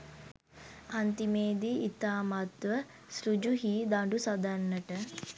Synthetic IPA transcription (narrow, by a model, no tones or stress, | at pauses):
ɐnt̪imeːd̪iːt̪aːmat̪ʋə | sɾud͡ʒuɦiːd̪aɳɖusɐd̪anːəʈə